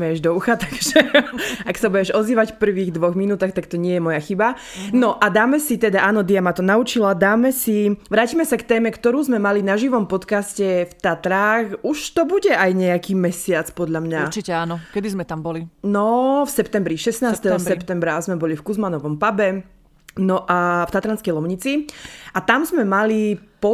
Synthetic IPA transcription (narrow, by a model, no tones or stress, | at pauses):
mɛjɛʒd̪ɔuxat̪aɡʒɛaksabuɟɛʒɔziːʋacfpr̩ʋiːɣd̪ʋɔɣminuːt̪aːxt̪akt̪ɔɲɪɛjɛmɔjaxiba | nɔʔad̪aːmɛsit̪ɛd̪aʔaːnɔd̪ijamat̪ɔnaut͡ʃilad̪aːmɛsiʋɾaːcimɛsakt̪ɛːmɛkt̪ɔɾuːzmɛmalinaʒiʋɔmpɔt̪kascɛft̪at̪ɾaːxuʃt̪ɔbuɟɛʔajɲɛakiːmɛsɪat͡spɔd̪ʎamɲaɾt͡ʃicɛaːnɔkɛd̪izmɛt̪ambɔlinɔfsɛpt̪ɛmbɾiʃɛsnaːsst̪ɛɦɔsɛpt̪ɛmbɾazmɛbɔlifkuzmanɔʋɔmpabɛ | nɔʔaft̪at̪ɾanskɛjlɔʊɲit͡siʔat̪amzmɛmalipɔ